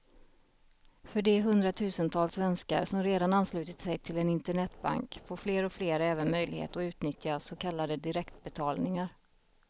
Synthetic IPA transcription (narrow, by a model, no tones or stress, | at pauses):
fœɖɛɦɵnd̪ɾat̪ʰʉ̟ːsənt̪ʰɑːlsvɛnska̰ɾsɔmɾeːd̪ananːslʉ̟ːt̪ət̪sɛjt̪ʰɪlɛnɪnt̪əɳɛt̪ːba̰ŋkfoːɾfleːɾɔfleːɾɛːvənmœjlɪhḛːt̪ɔʉ̟ːt̪nʏt̪ʰjasɔkʰalːad̪əd̪ɪɾɛkt̪̚bɛt̪ʰɑːlnɪŋaɾ